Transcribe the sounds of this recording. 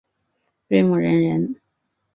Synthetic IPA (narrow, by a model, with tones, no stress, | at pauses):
te˥˩mu˨˩ɻə˧˥nɻə˧˥n